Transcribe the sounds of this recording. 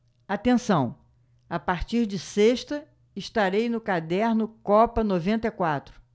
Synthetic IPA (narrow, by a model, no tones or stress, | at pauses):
at̪ẽsɐ̃w̃ | apaɾt͡ʃiɾd͡ʒɪseʃt̪ɐ | ɪʃt̪aɾejnʊkad̪ɛɾnʊkɔpɐnovẽnt̪ɐkwat̪ɾʊ̥